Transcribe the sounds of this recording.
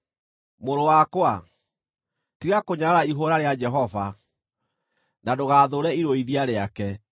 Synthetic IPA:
moɾowakwa | tiɣakoɲaɾaiɦoɾaɾead͡ʒɛɦɔva | nadoɣaːðoɾɛiɾoiðiaɾeakɛ

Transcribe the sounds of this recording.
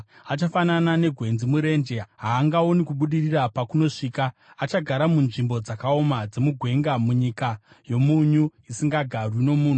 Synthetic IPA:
at͡ʃafananane̞ɡʱwe̞nzimuɾe̞nd͡ʒe̞ɦaːŋɡao̞nikuɓuɗirirapakuno̞ʂiːkaː | t͡ʃaɡʱaɾamunʐimbo̞d͡zakao̞mad͡ze̞muɡʱwe̞ŋɡamuɲika | jo̞muɲuisiŋɡaɡʱarwino̞muːn̤u

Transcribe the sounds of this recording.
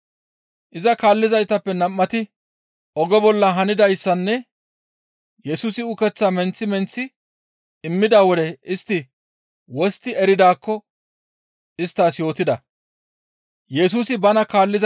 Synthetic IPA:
ʔɪzɐkaːlːɪzɐjt̪ɐpːɛnɐmːɐt̪ɪ | ɔɡɔbɔlːɐɦɐnɪd̪ɐjsːɐnːɛ | jɛsuːsɪʊkɛt͡sːaːmɛnt͡sːɪmɛnt͡sːɪ | ɪmːɪd̪aːwɔd̪ɛɪst̪ːɪ | wɔst̪ːɪɛɾɪd̪aːkːɔ | ɪst̪ːaːsjo̞ːt̪ɪd̪ɐ | jɛs̬uːsɪbɐnɐkaːlːɪz

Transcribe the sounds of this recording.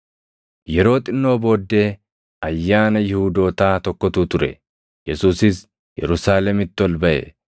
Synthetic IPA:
jɛɾo̞ːt̪ʼɪnːo̞ːbo̞ːd̪ːe̞ː | ɐjːaːnɐjɪhuːd̪o̞ːt̪aːt̪ɔkːɔt̪uːt̪ʊɾɛ̰ | jɛsuːsɪs | jɛɾʊsaːlɛmɪt̪ːɪɔlbɐʔɛ̰

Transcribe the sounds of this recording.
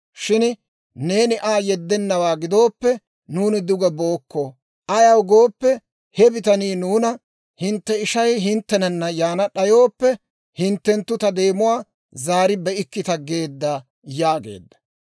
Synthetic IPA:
ʃɪn | ne̞ːnɪʔaːjɛd̪ːɛnːɐwaːɡɪd̪o̞ːpːɛ | nuːnɪd̪ʊɡɐbo̞ːkːo | ʔɐjɐwɡo̞ːpːɛ | hɛbɪt̪ɐniːnuːnɐ | hɪnt̪ːɛɪʃɐjɦɪnt̪ːɛnɐnːɐjaːnɐɗɐjo̞ːpːɛ | hɪnt̪ːɛnt̪ːʊt̪ɐd̪e̞ːmʊwaː | zaːɾɪbɛɪkːɪt̪ɐɡe̞ːd̪ːaː | jaːɡe̞̰ːd̪ːɐ̥

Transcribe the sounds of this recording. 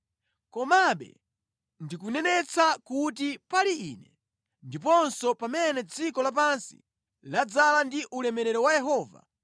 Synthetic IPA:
kɔmaɓɛ̰ | ndikunɛnɛt͡sakut̬ipaliiːnɛ | ndipɔnsɔpamɛnɛd͡zikɔlap̬ansi̥̰ | lad͡zalandiʔulɛmɛɾɛɾɔwajɛɦɔːva̰

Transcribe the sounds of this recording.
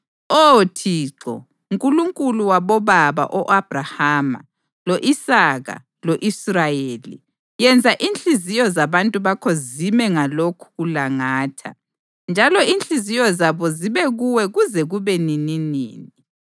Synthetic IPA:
otʰiːǁɔ̰ | uŋkʼuluŋkʼuluwaβɔβaβa̰ʔɔʔab̥rahaːma̰ | loʔisaɣa̰ | loʔisrajeːlḭ | jɛnd͡zʱaʔint͡ɬʼizijɔzaβantʼuβakʰɔzimɛŋalokʰu̥ɣulaŋaːtʰa̰ | nd͡ʒʱalɔint͡ɬʼizijɔzaβɔziβɛɣuwɛɣuzɛɣuβɛnininḭːni

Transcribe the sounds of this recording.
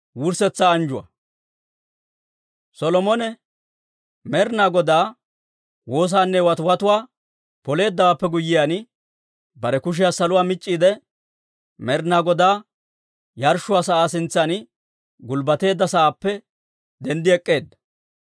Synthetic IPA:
wʊɾsɛt͡sːaːɐnd͡ʒʊwɐ̰ | sɔlɔmɔnɛ | mɛɾnaːɡɔd̪aː | wo̞ːs̬aːnːɛwɐt̪ʊwɐt̪ʊwaː | pɔle̞ːd̪ːɐwaːpːɛɡʊjːɪjaːn | bɐɾɛkʊʃ̬ɪjaːsɐlʊwaːmɪt͡ʃʼːiːd̪ɛ | mɛɾnaːɡɔd̪aː | jɐɾʃːʊwaːsɐʔaːsɪnt͡sːan | ɡʊlbɐt̪e̞ːd̪ːɐsɐʔaːpːɛ | d̪ɛnd̪ɪɛkʼːe̞ːd̪ːɐ̥

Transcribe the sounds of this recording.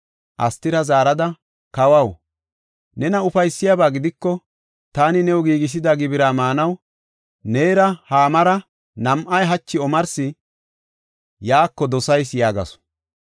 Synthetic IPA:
ʔɐst̪ɪɾɐzaːɾɐd̪ɐ | kɐwɐw | nɛnɐʊfɐjsːɪjabaːɡɪd̪ɪkːɔ | t̪aːnɪnɛwɔɡiːɡɪs̬ɪd̪aɡɪbɪɾaːmaːnɐw | neːɾɐhaːmɐɾɐ | nɐmʔɐjɦɐt͡ʃːɪɔmɐɾsɪ | jaːkːɔd̪ɔsɐjsjaːɡɐ̰sɔ̥

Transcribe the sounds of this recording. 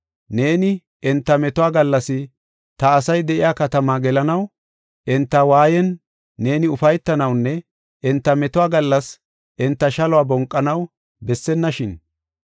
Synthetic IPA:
ne̞ːnɪ | ɛnt̪ːɐmɛt̪ʊwaːɡɐlːɐsɪ | t̪ɐːsɐjd̪ɛʔɪ̰jaːkɐt̪ɐmaːɡɛlɐnɐw | ʔɛnt̪ːɐwaːjɛnː | e̞ːnɪʊfɐjt̪ːɐnɐwnːɛ | ʔɛnt̪ːɐmɛt̪ʊwaːɡɐlːɐs | ʔɪnt̪ːɐʃɐlʊwaːbɔŋkʼːɐnɐw | bɛsːɛnːɐʃɪn

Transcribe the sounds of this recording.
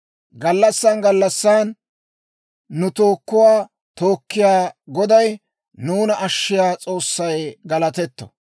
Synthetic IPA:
ɡɐlːɐsːaːnɡɐlːɐsːaːn | ʊt̪o̞ːkːʊwaː | t̪oːkːɪjaːɡɔd̪ɐj | nuːnɐʔɐʃːɪjaːt͡sʼo̞ːsːɐjɡɐlɐt̪ɛt̪ːɔ̥̰

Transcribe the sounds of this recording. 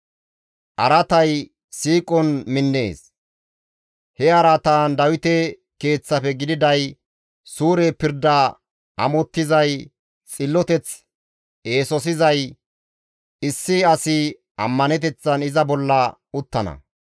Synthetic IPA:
ʔɐɾɐt̪ɐj | siːkʼɔnmɪnːe̞̰ːs | hɛɐɾɐt̪aːnd̪ɐwɪt̪ɛ | ke̞ːt͡sːɐpɛɡɪd̪ɪd̪ɐj | suːɾepɪɾd̪ɐ | ɐ̰mɔt̪ːɪzɐj | t͡sʼɪlːɔt̪ɛt͡s | e̞ːsɔs̬ɪzɐj | ɪsːɪɐsɪ | ɐ̰mːɐnɛt̪̬ɛt͡sːɐnɪzɐbɔlːɐ | ʊt̪ːɐnɐ̰

